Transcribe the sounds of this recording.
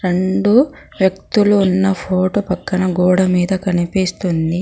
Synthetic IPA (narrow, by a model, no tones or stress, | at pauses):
ɾe̞ɳɖu | ʋjɐk̚t̪uluːnːɐpʰoːʈoːpɐkːɐnɐɡuːɽɐmiːd̪ɐkɐnipist̪und̪i